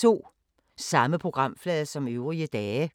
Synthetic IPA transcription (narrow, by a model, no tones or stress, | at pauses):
o̝̰ː | sɑ̈məpʰʁo̝ɡ̥ʁɑ̈m̰flɛːðˠɐsɒ̽møʊʁiəd̥ɛː